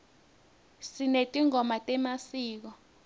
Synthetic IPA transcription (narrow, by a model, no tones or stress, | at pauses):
sinetʼiŋɔmatʼɛmasiːk̬ɔ